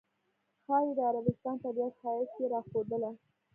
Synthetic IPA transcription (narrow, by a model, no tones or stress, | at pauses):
xɑwd̪əaɾabɪst̪ɑnt̪abjat̪hɑjɪt̪keɾɑxod̪əla